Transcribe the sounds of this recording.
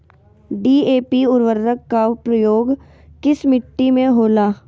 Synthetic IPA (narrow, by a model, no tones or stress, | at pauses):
ɖiːeːpiʊɾʋəɾːəkːapɾəjoːɡ | kɪsmɪʈːimẽɦoːlaː